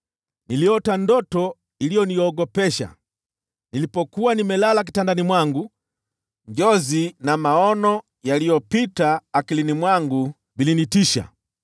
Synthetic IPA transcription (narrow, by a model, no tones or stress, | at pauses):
niliɔtandɔtɔ | ilijɔnijɔːɡɔpɛʃa̰ | nilipɔkuwanimɛlalak̬i̥tandanimwaŋɡu | ɲd͡ʒɔzinamaɔnɔ | jalijɔpitaːkilinimwaŋɡu | bilinitiʃa̰